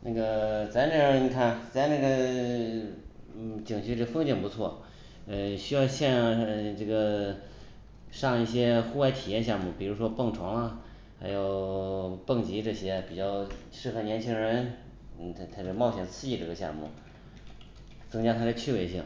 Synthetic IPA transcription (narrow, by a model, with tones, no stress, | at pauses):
na˥˩ɡə˩t͡sa˧˥ɪna˥˩˥ni˨˩kʰa˥˩nt͡sa˧˥ɪna˥˩ɡə˩˥˩ | t͡ɕi˨˩ŋt͡ɕʰy˧˥ʈ͡ʂɤ˥˩˧fɤ˥ŋt͡ɕi˥˩ŋpu˧˥t͡sʰwɔ˥˩ | ə˧ɕy˥jɑ˥˧ʊɕjɛ˥˧n˧ʈ͡ʂɤ˥˩ɡə˩ | ʂɑ˥˧ŋi˥˩ɕjɛ˥xu˥wa˧˥ɪt̪ʰi˨˩jɛ˥˧nɕ̬jɑ˥˧ŋmu˥˩pi˨˩ɻu˧˥ʂwɔ˥pɤ˥˩ŋʈ͡ʂʰwɑ˧˥ŋlə˧ | xa˧˥ɪjo˨˩ʊpɤ˥˩ŋt͡ɕi˧˥ʈ͡ʂɤ˥˧˩ɕjɛ˥pi˨˩t͡ɕjɑ˥˩ʊ | ʂɻ̩˥˩xɤ˧˥˩njɛ˧˥nt͡ɕʰi˥ŋɻə˧˥n̩˥˩ | t̪ʰt̪ʰa˥ʂo˥˩˧mɑ˥˩ʊɕjɛ˨˩nt͡sʰɹ̩˥˧i˥˩ʈ͡ʂɤ˥˩ɡə˧ɕjɑ̰˥˧ŋmṵ˥˩ | t͡sɤ˥ŋt͡ɕja˥t̪ʰa˥d̪ə˨t͡ɕʰy˥˩we˧˥ɪɕi˥˩ŋ